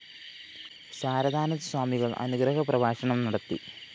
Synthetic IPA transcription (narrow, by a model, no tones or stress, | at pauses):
saːɾɐd̪ʱaːnɐðɐswaːmiɣɐɭɐ̰nuɡɾɐɦɐprɐʋaːʂɐɳɐmnɐɽɐt̪ːi